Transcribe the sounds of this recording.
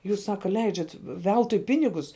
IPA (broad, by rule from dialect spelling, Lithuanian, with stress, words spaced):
ˈjuːs ˈsɑːkɐ ˈlʲɛɪd͡ʒʲɛt ˈʋʲɛlˠtʊɪ ˈpʲɪnʲɪɡʊs